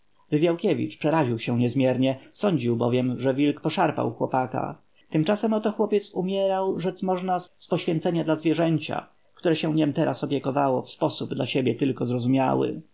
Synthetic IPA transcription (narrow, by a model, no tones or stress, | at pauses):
vɘvʲjawkʲɛvʲḭt͡ʂpʂɛɾaʑiwɕɛɲɛzmʲjɛɾɲɛsɔɲd͡ʑiwbɔ̰vʲjɛmʐɛvʲilkpɔʂaɾpa̰wxwɔpaka̰ | t̪ɘmt͡ʂasɛmɔt̪ɔxwɔpʲjɛt̪sumʲjɛɾawʐɛt̪smɔʐnasspɔɕfʲjɛnt̪sɛɲad̪lazvʲjɛʐɛɲt͡ɕa̰ | k̚t̪uɾɛɕɛ̃ɲɛmt̪ɛɾʔasɔpʲjɛkɔvawɔfspɔsubd̪laɕebʲjɛt̪ɘlkɔzɾɔzumʲja̰wɘ̰